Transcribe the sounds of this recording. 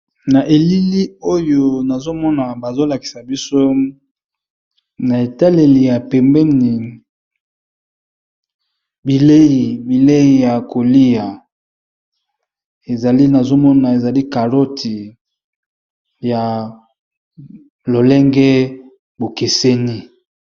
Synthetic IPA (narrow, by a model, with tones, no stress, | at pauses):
na˨ʔe˨li˦li˦o˦jo˦na˨zo˦mɔ˦na˨ba˨zo˦la˨ki̥˨sa˨bi˦so˦ | na˨e˨ta˦le˨li˨ja˨pɛ˨mbɛ˦ni˨ | bi˨le˦i˨bi˨le˦i˨ja˨ko˨li˦ja˨ | e˨za˨li˦na˨zo˦mɔ˦na˨e˨za˨li˦ka˨lo˦tʰi˨ | ja˨ | lo˨lɛ˦ŋɡɛ˦ | bo˨ke˨se˦ni˦